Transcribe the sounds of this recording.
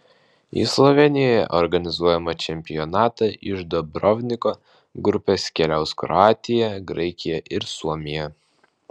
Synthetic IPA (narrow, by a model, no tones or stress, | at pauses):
ḭːslˠɔʋʲɛnʲɪjɔjɛ̰ʔɔɾɡɐnʲɪzuɔjɛmɐt͡ʃʲɛmʲpʲɪjɔnɑːt̪ɐʔɪʒd̪ɔbɾɔʋʲnʲɪko | ɡɾʊpʲeskʲɛlʲɛʊskɾɔ̰ɑːt̪ʲɪjɛɡɾɐɪkʲɪjɛʔɪɾsuɔmʲɪjɛ